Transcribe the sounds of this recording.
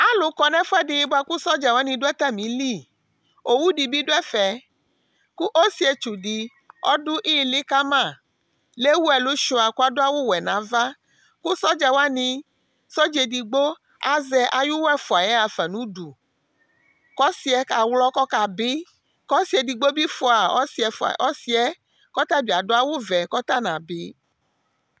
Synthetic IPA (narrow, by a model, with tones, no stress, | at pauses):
a˨˦lʊ˨˦kɔ˨nɛ̃˦fu˦ɛ˦dɪ˨˦bo˦a˧ku˦sɔ˦d͡ʒa˨wa˨˦nĩ˧dʊ˦ɛ˦t̪a˦mĩ˨˦li˦˨ | o˨wu˦di˨bi˦dʊ˦ɛ˦fɛ˨ | ku˦ʔo˦si˦ɛ˨t͡ʃu˨di˧ | ɔ̰˦dʊ˦ʔi˦˨li˦ka˦mã˦˨ | le˦wu˦ɛ˨lu˦ʃu˧a˨ku˦a˦dʊ˦a˦wo˦wɛ˨nã˨˦va˦ | ku˦sɔ˦d͡ʒa˨wa˦nĩ˧ | so˦d͡ʒe˨di˨ɡ͡bo˦ | a˨zɛ˦ʔa˨ju˦wɛ˦fɔ˨a˨jɛ˦a˨fɛ˨nũ˨˦du˨ | kɔ˦si˦ɛ˦ka˨wlɔ˦kɔ˦ka˨be˦ | kɔ˦si˨ɛ˨di˨ɡ͡bo˦bi˦fɔ˨a˨ɔ̰˦si˨ɛ˨fʔɔ˦si˦ɛ˦ | kɔ˦t̪a˦bi˨a˨do˦a˦wo˦vɛ˨kɔ˦t̪a˦nã˨be˨˦